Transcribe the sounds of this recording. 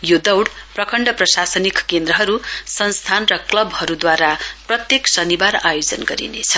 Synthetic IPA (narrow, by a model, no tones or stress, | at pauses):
jod̪ʌwɽprʌkʰʌɳɖʌprʌsasʌnikkend̪rʌɦʌɾusʌnst̪ʰanrʌklʌbʱhʌɾud̪waɾaprʌt̪jeksʌnibara̰jod͡zʌnɡʌɾḭnḛt͡sʰʌ̥